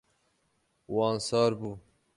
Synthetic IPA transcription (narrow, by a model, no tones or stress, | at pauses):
wɑːnsɑːɾbu